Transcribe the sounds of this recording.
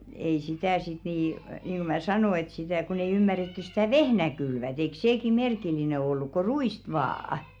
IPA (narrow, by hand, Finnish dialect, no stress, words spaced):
ei sitæˑ sit niˑ niːnɡ̊u mæ sɑnoˑ et sitæˑ kon ei ymːæretːys̆ stæˑ ʋehnæ kylʋæt eik seːki merkilˑine olːuk ko ruiˑst ʋɑːɑ̆